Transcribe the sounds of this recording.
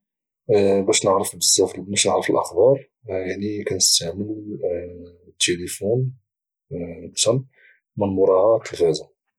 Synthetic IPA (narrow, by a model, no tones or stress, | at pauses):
bæʃnəʕɾəfbəsˤːɑflmæʃnəʕɾəfəlʔə̰xbɑɾˤ | jaʕnikænəst̪aʕməl | t̪ʰːelifun | bt̪ɑn | mənmʊɾˤɑʕat̪ʰːəɣæza